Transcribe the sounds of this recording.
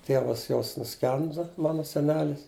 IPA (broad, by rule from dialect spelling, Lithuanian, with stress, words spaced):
ˈtʲiɛʋɐs joːs nʊˈsʲkʲɛndʊ ˈmɑːnʊ sʲɛˈnʲæːlʲɪs